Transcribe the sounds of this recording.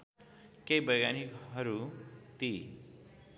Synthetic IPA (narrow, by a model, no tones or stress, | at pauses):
kejbʌjɡanikɦʌɾut̪i